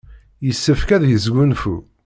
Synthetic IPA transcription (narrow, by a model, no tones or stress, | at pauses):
jəsːəfkæðjəzɡʷunfu